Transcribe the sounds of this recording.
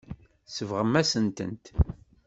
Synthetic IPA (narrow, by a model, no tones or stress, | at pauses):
səvʁəmːæsənt̪ə̰nt̪